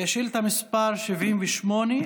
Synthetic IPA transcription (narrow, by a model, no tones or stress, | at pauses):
jaʃilt̪amispaʁʃivʔimveʃmone